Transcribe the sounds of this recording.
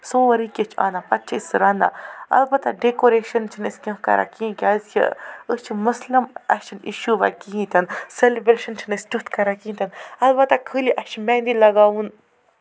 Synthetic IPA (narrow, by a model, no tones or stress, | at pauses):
soːʋɐɾikʲet͡ʃʰa̰ːnaːpɐt̪̚t͡ʃʰiisɾana̰ɐ̰lbɐt̪aɖekoːɾeːʃɐnt͡ʃʰinesʲkʲɐ̃fkɐ̰ɾa̰ːkĩkʲazt͡ʃʰḭət͡ʃʰimɐsləmɐ̰ʃʰinḭʃuːʋa̰kiĩt̪ɐnselebɾeːʃɐnt͡ʃʰinɐsʲʈut̪kɐɾaːkiːnt̪ʰɐnɐlbɐt̪akʰɨːliʔɐʃʰmɛːnd̪ilɐɡaːʋun